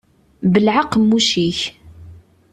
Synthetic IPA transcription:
bəlʕaqːəmːuʃiç

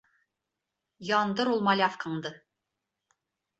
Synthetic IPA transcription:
jɑnd̪ɤɾulˠmɑlʲɑfkʰɤɴd̪ɤ

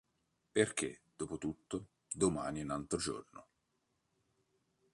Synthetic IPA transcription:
perk̟ḛd̪̥oːpot̪ut̪ːo | d̪oma̰ːniunalt̪ɾod͡ʒo̰rno

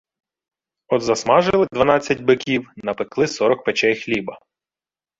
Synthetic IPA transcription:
ɔd̪zɐsmɑʒɪlˠɪd̪ʋɐnɑt͡sʲːɐtʲbɪkʲiwnɐpɪklˠɪsɔɾɔk̚pet͡ʃɛjxlʲibɐ

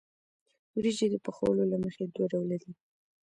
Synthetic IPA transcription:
wɾid͡ʒed̪əpəxa̰wəlolaməxed̪oɾawlaɾi

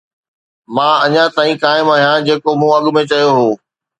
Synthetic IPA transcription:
mãːɐɲãt̪aːĩkaːɪmaːɦijãd͡ʑeːkomũɐɠʊmẽt͡ɕɐjoɦoː

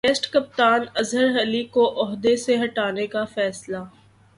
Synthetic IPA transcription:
eːsʈkɐp̚t̪aːnɐzɦəɾɦɐlikoʔɔɦd̪eseɦɐʈaːnekafɛːsla

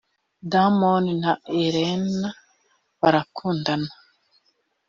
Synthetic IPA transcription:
damoninaeɾena | βaɾakʰuːndana

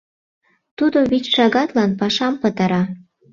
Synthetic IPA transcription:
t̪ud̪oβit͡ɕʃɑɣɑt̪lɑnpɑʃɑmpə̆t̪ɑɾɑ

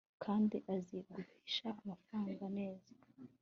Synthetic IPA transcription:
kʰaːndiʔaziɡuβiːʃaːmafɾaːŋɡane̞ːz̥ḁ

